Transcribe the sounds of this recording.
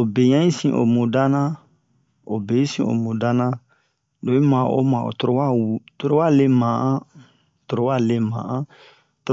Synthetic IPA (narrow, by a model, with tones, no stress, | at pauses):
o˨be˨ɲã˦i˦sĩ˨ʔo̰˨mõ˨da˦nã˦ | o˨be˨i˦sḭ̃˨o̰˨mõ˨da˦nã˦ | do˨˦ĩ˦mã˨o̰˦mã˨o̰˨to˦ɾo˦wa˦wu˨to˦ɾo˦wa˦˨le˦mã˨ʔã˦ | to˨ɾo˦wa˦˨le˦mã̰˨ʔã˦ | t